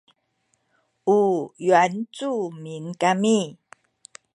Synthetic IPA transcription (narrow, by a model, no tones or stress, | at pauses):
ujwant͡sumiŋkami